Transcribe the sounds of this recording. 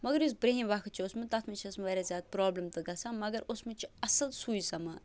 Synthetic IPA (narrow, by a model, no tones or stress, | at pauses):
mɐɡɐɾis̬bɾeɦĩmʋɐkʰt̪t͡ʃʰiosmɨt̪ɐt̪ʰmɐt͡ʃʰːsmɐʋeːɾazʲjaːd̪̚pɾoːblɐmt̪ɨɡɐsãːmɐɡɐɾosmɨt͡ʃʰiɐsɐlsuːjsɐmɐ